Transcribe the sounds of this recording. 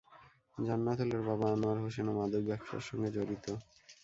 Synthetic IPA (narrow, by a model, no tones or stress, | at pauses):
d͡ʑanːat̪ʰoleɾbabaanoaɾɦoʃenomad̪ʱoɡbɛkʃa̰ɾʃɔŋɡed͡ʑoɾit̪o